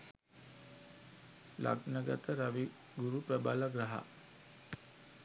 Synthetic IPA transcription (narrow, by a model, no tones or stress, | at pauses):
la̰ɡnəɡat̪əɾaʋi | ɡuɾupæbalaɡɾaɦa̰